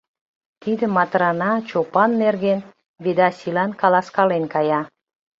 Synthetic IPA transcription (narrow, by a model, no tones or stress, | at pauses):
t̪id̪ə̆mɑt̪ɾɑnɑt͡ɕopɑnːerɣen | bed̪ɑsʲilɑnkɑlɑskɑlenkɑjɑ